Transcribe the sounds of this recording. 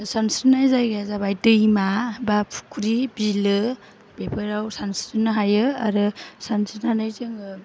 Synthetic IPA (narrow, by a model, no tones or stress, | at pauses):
sansinajzajɡazaβajtɯimabapʰu̥kʰɾibilɯ | bepʰɯɾawsansɯnːɯɦajɯa̰ɾɯsansinhanajzɯŋɯ